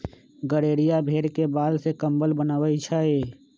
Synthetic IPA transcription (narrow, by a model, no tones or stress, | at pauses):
ɡəɽeːɾijabʱeːɾkebaːlsekəmbəlbənaːwəit͡ʃʰaeː